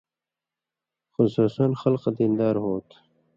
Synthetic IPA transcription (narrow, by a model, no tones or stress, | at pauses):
xʊsuːsɐnxɐlqd̪ind̪ɑːɾɦoːt̪